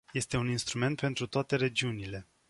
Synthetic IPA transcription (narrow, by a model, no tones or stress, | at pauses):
je̞st̪e̞uninst̪ɾume̞nt̪̚pent̪ɾut̪oat̪e̞ɾe̞d͡ʒiunile̞